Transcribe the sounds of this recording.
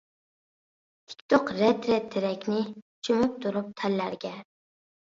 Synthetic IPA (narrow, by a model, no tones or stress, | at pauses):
t̪ʰɪ̥kʲt̪oqɾɛt̪ɾɛt̪ʰːɪɾɛkʲnɪ | t͡ʃʰymyp̚t̪ʰuɾup̚t̪ʰælːæɾɡʲɛ